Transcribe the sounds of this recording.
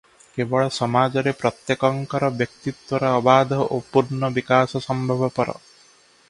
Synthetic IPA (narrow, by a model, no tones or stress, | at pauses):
kebɔɭɔsɔmad͡ʒɔɾepɾɔt̪jekɔŋkɔɾɔbjɔk̚t̪it̪wɔɾɔːbad̪ʱɔʔopuɾnɔbikasɔsɔmbʱɔbɔpɔɾɔ̰